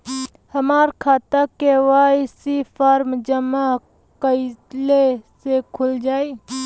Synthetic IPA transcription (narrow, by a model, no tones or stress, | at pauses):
həmaːɾkʰaːt̪akeʋaːjsipʰaːɾmd͡ʒəma | kəɪlesekʰʊld͡ʒaːi